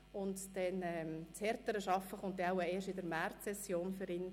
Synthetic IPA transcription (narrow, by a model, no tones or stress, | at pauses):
ʊntd̥ɛnɛːmtt͡shɛɾtəɾəʃɑfəχʊnt̚dɛaʊəeːɾʃɪdəɾmærtsɛsjoːnfʏɾɪn